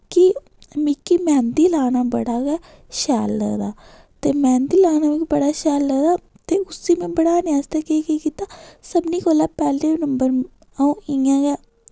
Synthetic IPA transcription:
ki | miːkimɛ̃ːnd̪iːlaːnaːbəɽaːɡɛː | ʃɛːlːə̰ːd̪aː | t̪eːmɛ̃ːnd̪iːlaːnaːmĩːkbəɽaːʃɛːlːəːd̪aː | t̪eːʊsiːmẽːbəɽaːnɪjaːst̪ɛːkeːkiːkiːt̪aːsəbniːkoːlaːpɛːleːnəmbəɾ | ãɪãːɡɛː

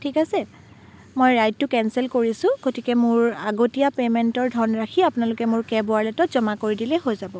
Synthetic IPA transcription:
tʰikasɛ | mojɹajtːʊkɛnsɛlkoɹisʊ̃ɡ̥otikɛmʊɹaɡotijapemɛntɔɹdʱɔnɹakʰiapʊnalʊkɛmʊɹkɛbʊaɹlɛtɔtz̥ɔmakoɹidilɛɦojzabɔ

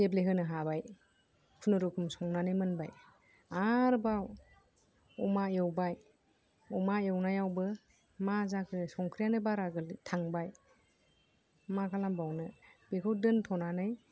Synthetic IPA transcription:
ebleɦɯnɯɦabaj | kʰunɯɾukʰumsɔŋnanɯjmɯnbaj | aɾbaw | ɔmajewbaj | ɔmaewnajawbɯ | mazakʰɯsɔŋkʰɾijanɯbaɾaɡɯltʰaŋbaj | makʰalambawnɯb̥ekʰɯwdɯntʰɔnanɯj

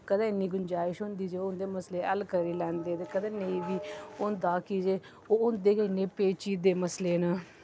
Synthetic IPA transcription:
kəd̪ãːɪnːiːɡʊnd͡ʒaːɪʃɦʊnd̪iːd͡ʒeːʊnd̪eːməsleːəlkəɾiːlɛ̃ːnd̪eːt̪eːkəd̪ãːneĩːʋiːʊnd̪aːkiːd͡ʒeː | oːʊnd̪eːkɪnːeːpeːt͡ʃiːd̪eːməsleːnəː

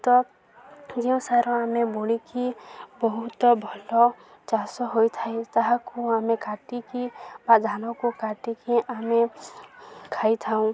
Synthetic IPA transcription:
t̪ɔ | d͡ʒiũsaɾɔ̃ameboːlikibɔɦʊt̪bʱəlɔ | t͡ʃaːsɔɦoit̪ʰaet̪aɦakoamẽkaʈikibad̪ʱaːnɔ̃kokaʈikiʔamẽ | kʰaːit̪ʰaũ

